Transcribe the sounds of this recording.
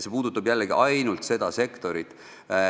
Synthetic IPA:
sepuːd̪̥ut̪ːˑɑbjælːeɡiʔɑjnult̪se̞d̪̥ɑse̞kt̪o̞ɾit̪ˑ

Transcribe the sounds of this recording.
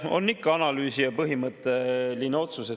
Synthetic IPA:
o̞̰nːikːɑɑnɑlyːsijɑpɤɦimɤt̪ːˑelineo̞t̪suse

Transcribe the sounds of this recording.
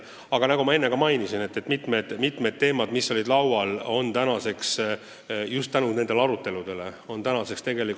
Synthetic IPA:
ɑɡ̥ɑnɑɡumɑe̞nːe̞kɑmɑjnisine̞t̪ːet̪ːˑmit̪ˑme̞d̪̥mit̪med̪̥̚t̪e̞ːmɑd̪misːo̞lʲid̪̥lɑwɑlo̞nt̪ænɑse̞ks | just̪ːænune̞d̪̥e̞lɑɾut̪ːˑe̞lud̪̥e̞le̞o̞nt̪ænɑse̞kst̪e̞ɡe̞lik

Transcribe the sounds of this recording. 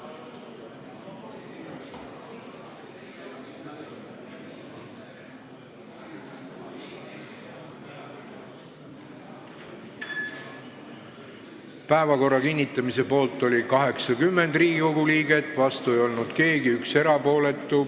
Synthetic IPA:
pæevɑko̞rːɑkinʲːit̪ˑːɑmise̞po̞ːlt̪ːˑo̞lʲikɑɦe̞ksɑkymːe̞nd̪riːɡikoɡ̥uliːɡe̞t̪ːˑvɑst̪ue̞jo̞lnud̪̥ke̞ːɡiykse̞ɾɑpo̞ːle̞t̪ːˑu

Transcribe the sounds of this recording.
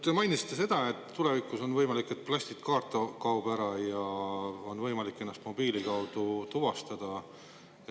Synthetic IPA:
t̪ːemɑjnisit̪ːˑese̞d̪̥ɑe̞t̪ːt̪ːule̞vikˑuso̞nvɤjmɑlikːˑe̞t̪̚ːplɑɕsʲt̪it̪kɑːrt̪ːˑɑkɑwb̥æɾɑjɑo̞nvɤjmɑlikːˑe̞nːɑst̪mo̞biːlikɑwd̪̥ut̪uvɑst̪ɑd̪̥ɑ

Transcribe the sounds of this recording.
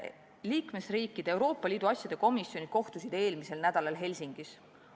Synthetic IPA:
liːkme̞sriːkːˑid̪̥eewɾo̞ːpˑːɑliːd̪̥uɑsʲjɑd̪̥e̞ko̞misːjonʲid̪̥̚ko̞ht̪usid̪̥e̞ːlmise̞lnæd̪̥ɑlɑlɦe̞lʲsʲiŋɡ̥is

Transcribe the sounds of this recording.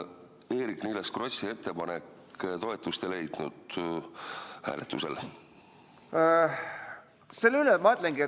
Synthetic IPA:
eːɾiknijleskro̞sie̞t̪ːe̞pɑnekː | t̪o̞e̞t̪ːˑust̪e̞le̞jd̪̥nud̪̥ | hæ̰ːlet̪ːˑuse̞̰l | selylemɑøt̪ˑleŋɡie

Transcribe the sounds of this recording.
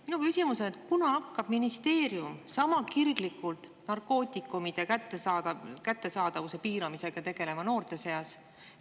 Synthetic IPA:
minukysʲimuso̞net̪̚kunɑɑkːɑb̥minist̪e̞ːɾjumsɑmɑkirɡ̥likːˑult̪ˑnɑrko̞ːt̪ʲikːˑumid̪̥e̞kæt̪ːˑesɑkæt̪ːˑe̞sɑːd̪̥ɑvuse̞piːɾɑmise̞ɡ̥ɑt̪e̞ɡ̥e̞le̞mɑno̞ːrt̪e̞se̞ɑs

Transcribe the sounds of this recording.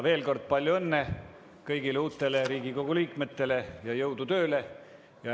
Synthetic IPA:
ve̞ːlko̞rd̪̥̚pɑlʲjuenːe̞ | kɤjɡileuːt̪ˑːe̞leɾiːɡ̥iko̞ɡ̥uliːkmet̪ːe̞le̞jɑjɤwd̪ut̪ø̞ːle̞ | jɑ

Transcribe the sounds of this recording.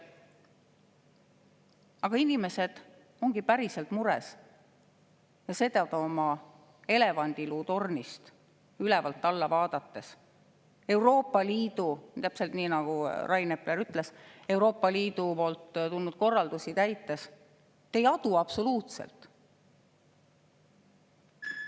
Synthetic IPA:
ɑɡ̥ɑinime̞se̞d̪̥ | o̞ŋɡ̥ipæɾise̞lt̪muɾḛs | jɑse̞ːt̪ɑt̪ɑomɑ | e̞le̞vɑnʲd̪̥iluːt̪o̞rnist̪ | ylɛvɑlt̪ːɑlːɑvɑːd̪̥ɑt̪ːe̞s | e̞wɾo̞ːpːˑɑliːd̪̥ut̪æpselt̪niːnɑɡ̥urɑjnepleɾyt̪ːˑle̞se̞wɾo̞ːpːˑɑliːd̪̥upo̞ːlt̪ːt̪ulnud̪̥̚ko̞rːɑld̪usit̪æjt̪ːˑe̞s | t̪ːejɑd̪̥uɑb̥so̞luːt̪sḛlt̪ˑ

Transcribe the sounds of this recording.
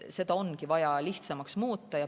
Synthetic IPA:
se̞d̪̥ɑonkivɑjɑliht̪sɑmɑksmuːt̪ːˑɑjɑ

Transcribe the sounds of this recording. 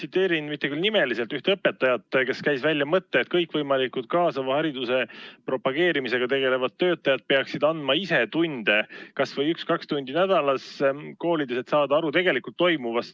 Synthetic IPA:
sit̪ːˑe̞ːɾinmit̪ːe̞kylnime̞liselt̪yht̪eɤpːˑe̞t̪ːˑɑjɑt̪ːˑke̞skæjsvælʲjɑmɤt̪ːe̞ːt̪̚kɤjkːˑvɤjmɑlikud̪̚kɑːsɑvɑhɑɾid̪use̞pɾo̞pɑɡ̥e̞ːɾimise̞ɡ̥ɑt̪e̞ɡe̞le̞vɑd̪̚t̪ːø̞ːt̪ːˑɑjɑd̪̥̚pe̞ɑksid̪̥ɑnd̪̥mɑise̞t̪und̪̥e̞kɑsvɤjykskɑkst̪unʲd̪̥inæd̪̥ɑlɑsko̞ːlʲid̪uset̪sɑːd̪ɑɑɾut̪e̞ɡe̞likult̪ːo̞jmuvɑs

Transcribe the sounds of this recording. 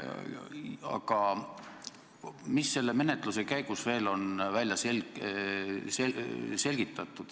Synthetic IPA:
ɑ̰ɡ̥ɑ | misːe̞lːeme̞net̪ˑluse̞kæjɡ̥usve̞ːlo̞nvælʲjɑsel | sese̞lɡ̥it̪ːˑɑt̪ˑːud̪̥

